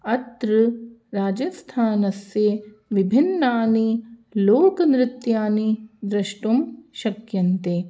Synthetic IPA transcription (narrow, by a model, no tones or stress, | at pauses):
ɐt̪ɾɨɾaːd͡ʒɐst̪ʰaːnɐsje | ʋibʱinːaːniloːkɐnɾɪt̪jaːnid̪ɾɐʃʈumʃɐkjɐnt̪e